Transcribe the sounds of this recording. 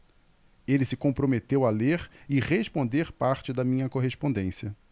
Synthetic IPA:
elɪsɪkõpɾomet̪ewaleɾɪʁeʃpõnd̪eɾpaɾt͡ʃɪd̪ɐmĩɲɐkoɦeʃpõnd̪ẽsiɐ

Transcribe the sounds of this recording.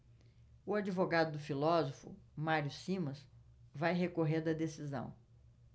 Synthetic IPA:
ʊad͡ʒivoɡad̪ʊd̪ʊfilɔzofʊ̰maɾjʊsĩmɐsvajɦekoɦeɾd̪ɐd̪esizɐ̰̃w̃

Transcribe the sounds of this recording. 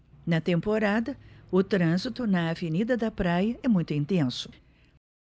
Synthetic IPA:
nɐt̪ẽmpoɾad̪ɐʊt̪ɾɐ̃zit̪ʊnɐːvenid̪ɐd̪ɐpɾajɐɛmũj̃t̪ʊĩnt̪ẽsʊ̥

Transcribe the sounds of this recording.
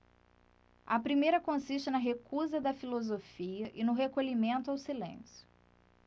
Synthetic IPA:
ɐpɾimejɾɐkõsiʃt͡ʃɪnɐɦekuzɐd̪ɐfilozofiɐʔɪnʊɦekoʎimẽnt̪ʊawsilḛ̃sjʊ̥

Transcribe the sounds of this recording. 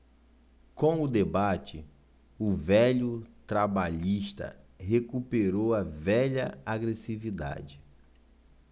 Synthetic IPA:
kõw̃ʊd̪ebat͡ʃɪ | ʊvɛʎʊt̪ɾabaʎiʃt̪ɐ̰ɦekupeɾowɐvɛʎɐaɡɾesivid̪a̰d͡ʒɪ

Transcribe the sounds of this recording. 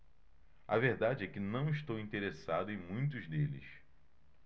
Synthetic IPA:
ɐveɾd̪ad͡ʒɪɛkɪnɐ̃w̃ɪʃt̪owĩnt̪eɾesad̪ʊẽj̃mũj̃t̪̬ʊzd̪elɪ̰s

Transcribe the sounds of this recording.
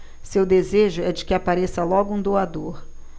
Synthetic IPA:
sewd̪ezeʒʊɛd͡ʒɪkɪapaɾesɐlɔɡʊũd̪oad̪oɾ

